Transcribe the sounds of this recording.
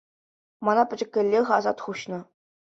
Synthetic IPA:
mɑnɑpʲɘ̆d͡ʑɘ̆kʲːɘ̆lʲːeʁɘ̆ɑzɑt̪χuɕnɤ̆

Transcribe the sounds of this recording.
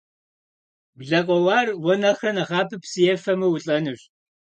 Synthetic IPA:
ɡʷɮɐqʷʼɔwɑːrwɔnɐχɐnɐʁɑːpʰɨpsɨjɛfɐmɨwʊɬʼɐnɨɕ

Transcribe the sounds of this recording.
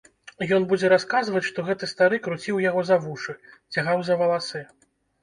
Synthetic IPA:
jɔnbud͡zʲɛɾaskazvɐt͡sʲʂt̪ɔɣɛt̪ɨst̪aɾɨkɾut͡sʲiwjaɣɔzɐvuʂɨt͡sʲaɣawzɐvɐlˠasɨ

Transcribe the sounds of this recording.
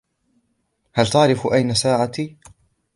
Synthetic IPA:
halt̪aʕɾɪfʔajnasaːʕat̪iː

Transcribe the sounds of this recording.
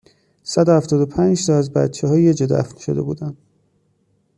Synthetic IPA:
sæd̪ohæft̪ɒːd̪opʰænd͡ʒsɒæzbæ̰t̪t͡ʃʰeɦɒːjied͡ʒed̪æ̰fnʃo̞̰d̪e̞buːd̪æn

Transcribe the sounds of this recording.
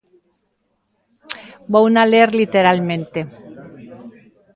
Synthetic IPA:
bownaleeɾlit̪eɾalmẽnt̪e

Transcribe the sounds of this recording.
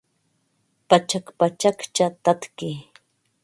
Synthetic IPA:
pat͡ʃakpat͡ʃakt͡ʃat̪at̪kɪ

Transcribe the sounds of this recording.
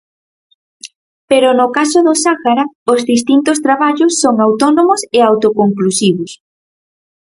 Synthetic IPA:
peɾʊnʊkasoðosaɣaɾaozðist̪int̪ost̪ɾaβaʎʊsːoŋawt̪ɔnomʊsɪawt̪okoŋklusiβos

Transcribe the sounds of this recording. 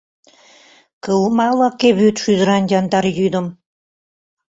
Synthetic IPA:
kəlmɑlɑkeβyt̪ʃyzɾɑnd̪ʲɑnd̪ɑɾjyd̪ə̆m

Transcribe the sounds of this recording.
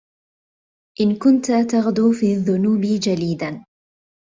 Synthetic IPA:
ʔɪnkʊnt̪at̪ɑɣd̪uːfiːaðːʊnuːbid͡ʒaliːd̪an

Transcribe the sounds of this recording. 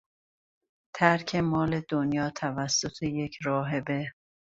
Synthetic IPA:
t̪ʰæɾcʰe̞mɒːle̞d̪onjɒːt̪ʰævæsːot̪ʰeje̞cʰɾɒːɦe̞be

